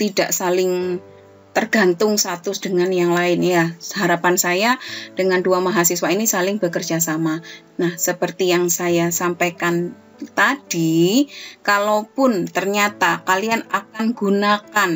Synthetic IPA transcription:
t̪idaʔsalɪŋ | t̪ərɡ̥a̤nt̪ʊŋst̪at̪ʊsd̥əŋanjaŋlaɪnjahaɾapansajad̥əŋanduamaɦasiswainisalɪŋbəkərd͡ʒasama | nahsəpərt̪ijaŋsajasampajkan | t̪ad̥i | kalopʊnt̪ərɲat̪akalianakanɡunakan

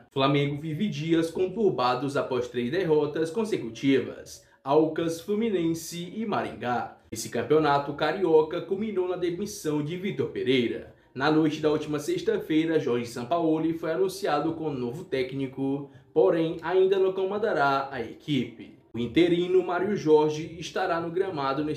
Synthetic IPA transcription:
flamẽɡʊvivɪd͡ʒiɐskõt̪uɾbad̪ʊzapɔst̪ɾezd̪eɦɔt̪ɐskõsekut͡ʃivɐ̰s | awkɐsflumĩnẽsɪɪmaɾḭ̃ŋɡaesɪkɐ̃pionat̪ʊkaɾiɔkɐkumĩnownɐd̪emisɐ̃w̃d͡ʒɪvit̪oɾpeɾejɾɐ̰ | nɐnojt͡ʃɪd̪ɐuwt͡ʃimɐseʃt̪ɐfejɾɐʒɔɾʒɪsɐ̃paolifojanũsiad̪ʊkõnovʊt̪ɛknikʊpoɾẽj̃aĩnd̪ɐnɐ̃w̃kõmɐ̃d̪aɾaɐekʰipɪ | ʊĩt̪eɾĩnʊmaɾiʊʒɔɾʒiːʃt̪aɾanʊɡɾɐ̃mad̪ʊne

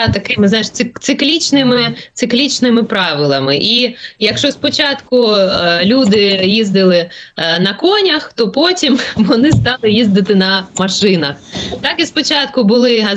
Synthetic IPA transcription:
t̪ɐkɪmɪznɑʃɪt̪sɪklʲit͡ʃnɪmɪtsɪklʲit͡ʃnɪmɪpɾɑʋɪlˠɐmɪʔijɐkʃt͡ʃɔspɔt͡ʃɑt̪kʊlʲud̪ɪjizd̪ɪlˠɪnɐkɔnʲɐxt̪ɔpɔtʲimʋɔnɪst̪ɑlˠɪjizd̪ɪt̪ɪnɐmɐʃɪnɐxt̪ɑkispɔt͡ʃɑt̪kʊbʊlˠɪɦɐ

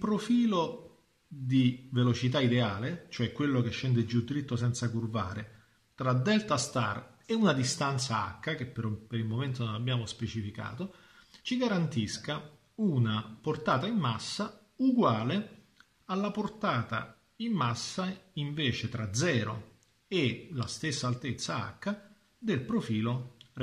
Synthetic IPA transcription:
ilpɾofiːlo | d̪ivelot͡ʃit̪̬aid̪eaːlet͡ʃoɛkːwelːokeʃːɛnd̪ed͡ʒːud̪ːiɾit̪ːosɛnt̪sakurva̰ːɾe | t̪ɾad̪ɛlt̪ast̪a̰r | ɪunad̪ist̪ant̪saa̰kːak̟epːeɾpeɾilmoment̪ononabːjaːmospet͡ʃifika̰ːt̪o | t͡ʃiɡaɾant̪iska | unaport̪aːt̪aimːasːa | uɡwaːle | alːaport̪aːt̪a̰ | imːasːaiɱveːt͡ʃet̪ɾad̪zɛːɾo̰ | elast̪esːaːlt̪et̪sːaa̰kːa | d̪elpɾofiːlo

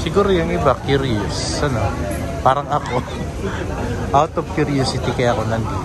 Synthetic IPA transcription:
siɡʊɾjaŋibakjuɾiʊsanopaɾaŋaku | at̪ɔf̚kjuɾiɔsit̪ikajakonant̪i

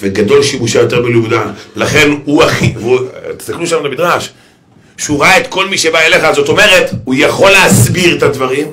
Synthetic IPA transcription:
veɡado̞lʃimuʃajo̞t̪e̞ʁbeleuvdalaχe̞nuaχivut̪e̥sakluʃamlemidʁaʃ | ʃuʁaetko̞lmiʃe̞baele̞χazo̞t̪o̞me̞ʁe̞tujaχo̞leasbiʁetadvaʁim

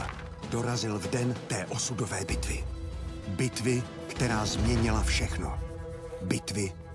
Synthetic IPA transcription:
do̞ɾazɪlvdɛnt̪ɛːʔo̞sudovɛːbɪt̪vɪ̰ | bɪt̪vɪ | kt̪ɛɾaːzmɲɛɲɪlafʃɛxno̰ | bɪt̪vɪ

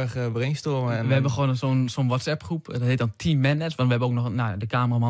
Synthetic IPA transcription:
əxəʋərenstoməɛʋəhɛbənxoːnsonsonʋɔtsɛpχrupdɔtheːtdɔntʰiːmːɛnɛsʋɔntʋəhɛbənoːk̚nɔxnadəkaːməramɔ

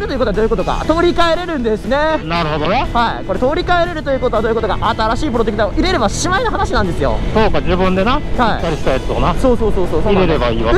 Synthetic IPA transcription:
ɾɯ̟t̪oɯ̟kot̪oad̪oːjɯkot̪oka̰t̪o̞ːɾʲikae̞ɾe̞ɾɯ̟̃nd̪e̞sɨnenaɾɯ̟ɦo̞d̪onehaiko̞ɾe̞t̪o̞ːɾʲikaeɾe̞ɾɯ̟t̪ojɯ̟ːkot̪o̞ad̪oːikot̪oɡa̰ʔat̪aɾaɕiːp̬ɯ̟ɾo̞t̪ekɯ̟t̪aoʔiɾe̞ɾe̞baɕimainaɦanaɕinãnd̪esɨjo̞̰soːkad͡ʑibɯ̟̃nd̪e̞nasaḭkːaɾʲiɕi̥t̪ajat͡sɨ̥d̪onaso̞ːso̞ːso̞ːsoːsoiɾeɾebaiːβa

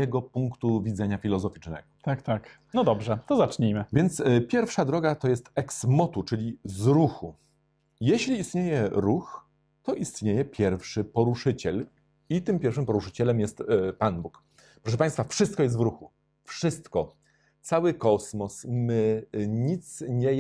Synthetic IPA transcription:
ɛɡɔpuŋkt̪uvʲid̪zɛɲafʲilɔzɔfʲit͡ʂnɛ̰ɡɔt̪akt̪ak | nɔd̪ɔbʐɛt̪ɔzat͡ʂɲimɘvʲjɛnt̪spʲjɛɾfʂad̪ɾɔɡat̪ɔjɛst̪ɛksmɔt̪ut͡ʂɘlʲizɾuxu | jɛɕlʲiːst̪ɲejɛɾux | t̪ɔʔist̪ɲejɛpʲjɛɾfʂɘpɔɾuʂɘt͡ɕɛl | it̪ɘmpʲjɛɾfʂɘmpɔɾuʂɘ̥t͡ɕɛlɛmjɛst̪panbuk | pɾɔʂ̬ɛpaj̃st̪fafʂɘst̪̚kɔjɛs̬t̪vɾuxu | fʂɘst̪kɔ | t̪sawɘkɔsmɔsmɘɲit̪sɲɛ

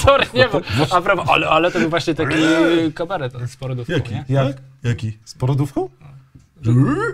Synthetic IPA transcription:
ɔɾɲɛvɔapɾavɔʔa̰lɛalɛt̪ɔbɘwvwaɕɲɛt̪akʲikabaɾɛt̪spɔɾɔd̪ufjakʲiɲɛjajakʲispɔɾɔd̪ufkɔ̃w̃

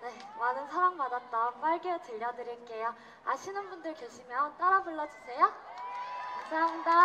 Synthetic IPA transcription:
ne̞manɯnsʰaɾaŋmadat̚t͈ʌp͈aɭɡet͡ɕɯʎːʌdɯɾink͈ejo | aɕʰinɯnbundɯɭkjoɕʰimjʌnt͈aɾapɯɭːʌd͡ʑusʰe̞jo | masʰaɦamda

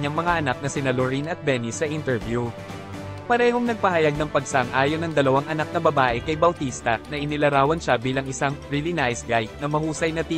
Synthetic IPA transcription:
ɲɐŋmɐŋaʔɐnak̚nɐsɪnɐloɹinɐt̪̚bɛnɪsɐʔint̪ɛɹvju | pɐɾɛːhoŋnɐɡ̚pɐɦɐjaɡ̚nɐŋpɐɡsaŋʔaːjonɐŋd̪ɐlɐwaŋʔɐnak̚nɐbɐbaːʔɛkɐjbɐwt̪ist̪ɐnɐʔɪnɪlɐɾaːwɐnʃabiːlɐŋɪsaŋɹilɪnaʔjsɡajk̚nɐmɐhuːsɐjnɐt̪i

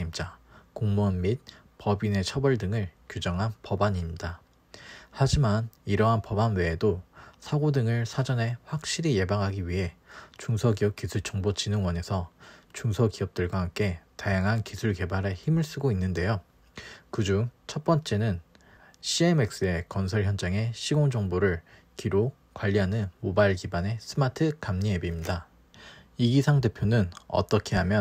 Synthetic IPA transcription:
imt͡ɕ͈akoŋmʌnmit̚ | pʌbine̞t͡ɕʰʌbʌɭdɯŋɯɭkjud͡ʑʌŋɦanpʌbaɲimida | had͡ʑimaniɾʌɦanpʌbanwe̞ːdosʰaɡodɯŋɯɭsʰad͡ʑʌnɦe̞ɸwak̚ɕ͈iɾije̞baŋɦaɡiɥiɦe̞t͡ɕuŋsʰʌɡiʌp̚k͈isʰuɭt͡ɕ͈ʌŋbot͡ɕinɯŋwʌne̞sʰʌt͡ɕuŋsʰʌkiʌp̚t͈ɯɭɡwaɦamk͈ʰe̞tajaŋɦankisʰuɭke̞baɾɯçimɯɭs͈ɯɡoinːɯnde̞jo | kɯd͡ʑuŋt͡ɕʰʌt̚p͈ʌnt͡ɕ͈e̞nɯn | ɕʰieme̞k̚s͈ɯe̞kʌnsʰʌɭçjʌnd͡ʑaŋe̞ɕʰiɡoŋd͡ʑʌŋboɾɯɭ | kiɾo | kwaʎːiɦanɯnmobaiɭkibane̞s͈ʰɯmatʰɯkamɲiebimɲida | iɡisʰaŋde̞pʰjonɯnʌ̰t͈ʌkʰe̞ɦamjʌ

